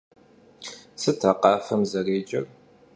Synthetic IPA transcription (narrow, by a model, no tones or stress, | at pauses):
sɨtʰaːqɑːfɐmzɐreːd͡ʒʼɐ̰r